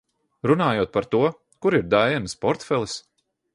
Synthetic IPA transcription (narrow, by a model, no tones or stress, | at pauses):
ɾunaːjuɔːt̪̚paɾt̪uɔ | kuɾiɾd̪ajɛnspɔɾt̪fɛlˠis